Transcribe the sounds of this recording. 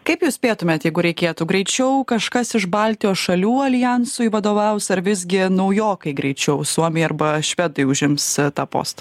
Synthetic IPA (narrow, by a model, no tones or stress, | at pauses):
kɐɪpjuːsʲpʲeːt̪ʊmʲeːt̪jɛɪɡʊɾʲɛɪkʲeːt̪ʊɡɾʲɛɪt͡ʃʲɛʊkɐʃkɐsɪʃbɑlʲt̪ʲɪjoːsʃɐlʲuːɐlʲɪjɛnsʊɪʋɐd̪oːʋʲɛʊsɐɾʋʲɪzʲɡʲɪnɐʊjoːkɐɪɡɾʲɛɪt͡ʃʲɛʊsuɔmʲejɐɾbɐʃʲʋʲɛd̪ʊɪʊʒʲɪmst̪ɑːpo̰ːst̪ɐ̥